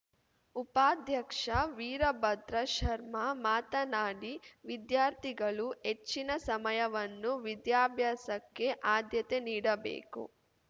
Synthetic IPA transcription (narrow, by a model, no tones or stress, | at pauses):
upaːd̪ʱjɐkʂɐʋiːɾɐbɐd̪ɾɐʃɐɾmɐmaːt̪ɐnaːɽiʋid̪jaːɾt̪ʰiɡɐɭuɦe̞t͡ʃːinɐsɐmɐjɐʋɐnːuʋid̪jaːbʱjaːsɐkːe̞ʔaːd̪jɐt̪e̞niːɽɐbḛːkṵ